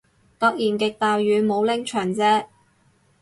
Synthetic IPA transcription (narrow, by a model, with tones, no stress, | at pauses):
t̪ɔː˧k̚jiː˨˩nkɪ˨k̚t̪aː˨jɥyː˨˧mo˨˧wlɪ˥ŋt͡ʃʰœː˨˩ŋt͡sɛː˥